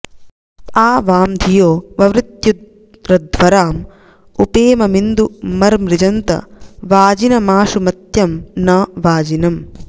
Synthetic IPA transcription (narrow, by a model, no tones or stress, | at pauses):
aːʋaːmd̪ʱijoːʋɐʋɾɪt̪jud̪ | ɾɐd̪ʱʋɐɾaːm | upeːmɐmind̪umɐɾmɾɪd͡ʒɐnt̪ɐ̰ʋaːd͡ʒinɐmaːʂumɐt̪jɐmnɐːʋaːd͡ʒinɐm